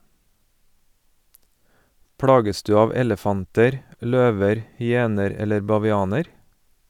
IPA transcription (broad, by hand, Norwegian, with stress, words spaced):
ˈpɽɑːɡəs ˈdʉː ˈɑːʋ ˈɛləfɑntəɾ ˈløːʋəɾ hʏˈeːnəɾ ˈɛləɾ bɑʋɪˈɑːnəɾ